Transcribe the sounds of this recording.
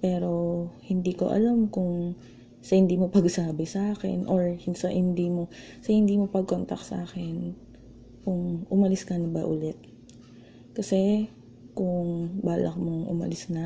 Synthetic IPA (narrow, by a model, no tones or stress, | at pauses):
pɛːɾo̞hɪnd̪iːko̞̰ʔɐ̰lamkʊŋ | sɐhɪnd̪iːmopɐɡsaːbɪsɐʔaːkɛ̰nʔoɹhɪnsɐhɪnd̪iːmosɐhɪnd̪iːmopɐɡ̚kont̪ɐk̪̚sɐʔaːkɛn | kʊŋʔʊmɐlɪskɐnɐbɐ̰ʔʊlɛt̪̚ | kɐsɛ | kʊŋbaːlʔɐ̰kmoŋʔʊ̰mɐ̰lɪsnɐ